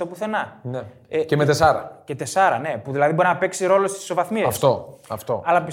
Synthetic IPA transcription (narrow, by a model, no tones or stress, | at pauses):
t̪o̞puθe̞nɐne | ecemet̪esɐɾɐ̰cet̪e̞sɐɾɐne̞puðilɐðibo̞ɾinɐpeksiɾo̞lo̞st̪i̥sːo̞vɐθmiɐsft̪o̞ɐft̪o̞̰ɐlɐpis